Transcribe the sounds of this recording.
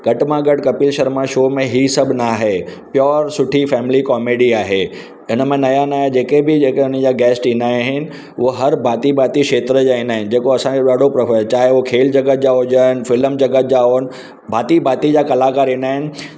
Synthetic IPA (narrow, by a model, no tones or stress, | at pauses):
ɡ̥ɐʈmãɡɐʈ̚kɐpɪlʃɐɾmãʃoːmẽɦisɐbʱnaːɦepjɔːɾsʊʈʰifɛːmɪlikɔːmeːɖiaːɦeː | ɪnəmẽnɐjanaːɦed͡ʑeːkebʱɪd͡ʑeːkʊnəd͡ʑaːɡɛːsʈɪ̃naːɦɪnɪ̆ | ʊɦoɦɐɾbʱaːt̪ibaːt̪ikʃeːt̪ɾəd͡ʑaːĩnd̪aːɦɪnɪ̆d͡ʑeːkoɐsãkeɗaːɖʱopɾɐft͡ɕaːɦeokʰeːld͡ʑɐɡəd͡ʑaːɦʊd͡ʑənfɪlmd͡ʑɐɡəd͡ʑaɦoːnɪ̆ | bʱaːt̪ibaːt̪id͡ʑaːkɐlaːkaːɾĩːnaːɦɪnɪ̆